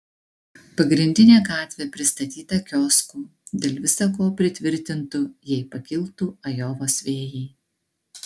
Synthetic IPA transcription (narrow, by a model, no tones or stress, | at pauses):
pɐɡɾʲɪnʲd̪ʲɪnʲeːɡɑːt̪ʲʋʲeːpʲɾʲɪst̪ɐt̪ʲiːt̪ɐkʲɔːskuːd̪ʲeːlʲʋʲɪsɐkoːpʲɾʲɪt̪ʲʋʲɪɾʲt̪ʲɪnt̪ʊjɛɪpɐkʲɪlˠt̪uːɐjoːʋoːsʋʲeːjiː